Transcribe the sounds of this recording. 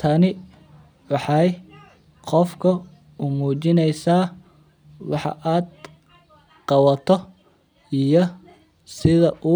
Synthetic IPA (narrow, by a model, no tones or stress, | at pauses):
t̪ʰɐnɪ | wɑħɑj | qɔfkʰɐ | ʊmuːt͡ʃɪnɛjsaː | wɑ̰ħɑ̰ʔaːd̪ | qɑwɐt̪ʰɔ | ijɔ | sɪðɐʔuː